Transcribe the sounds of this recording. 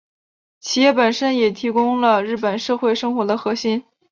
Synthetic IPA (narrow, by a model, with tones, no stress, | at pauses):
t͡ɕʰi˨˩jɛ˥˩pə˨˩nʂə˥njɛ˨˩t̪ʰi˧˥kʊ˥ŋlə˧ɻɻ̩˥˩pə˨˩nʂɤ˥˧xwe˥˩ɪʂɤ˥ŋxwɔ˧˥d̪ə˧xɤ˧˥ɕi˥n